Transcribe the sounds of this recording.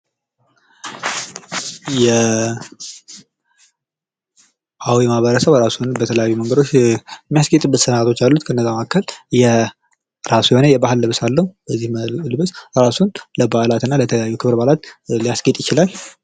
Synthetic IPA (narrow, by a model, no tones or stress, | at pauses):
jɛ | ʔawjɛmaβəɾəsəβɾasunbət̪ʰələjajːuməŋɡəd̪o̞t͡ʃːmːijasɡet̪ʼɨbːɨt̪sənat̪ʰo̞t͡ʃːalːut̪kʰəɨnːəzːamakʰːəljɛ | ɾasujhonəjɛbahɨlːɨβsalːəhub̥əzːihlɨβɨsɾasunləbahlat̪ɨnːalət̪ʰəəjajːukʰɨβɾbalat̪lijasɡet̪ʼjɪt͡ʃɪlalː